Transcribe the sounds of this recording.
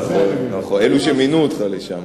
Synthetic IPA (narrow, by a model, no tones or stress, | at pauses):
onaχoneluʃeminuot̪χaleʃam